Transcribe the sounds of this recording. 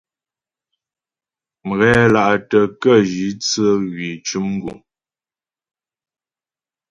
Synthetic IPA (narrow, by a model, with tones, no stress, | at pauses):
m̩˨ɣɛ˦la˨ʔtə˨kə˦˨ʒi˨˦t͡sə˦ɣɥi˨t͡ʃu˦mŋ˦ɡṵ˨ŋ